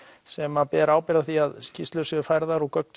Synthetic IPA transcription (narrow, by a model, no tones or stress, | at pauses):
sɛmapɛɾaːwpɪɾaðaθiaðscɪst̪lœsʏðʏfajɾðaɾɔɣkœk̚n̥